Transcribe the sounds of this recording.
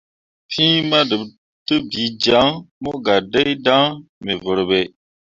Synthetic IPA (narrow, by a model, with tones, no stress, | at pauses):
pʰĩ˦ma˦də˨b | tɨ˦bi˨d͡ʒa˨˦ŋmo˦ɡa˨də˦jda˦ŋme˨və˨ɾbe˨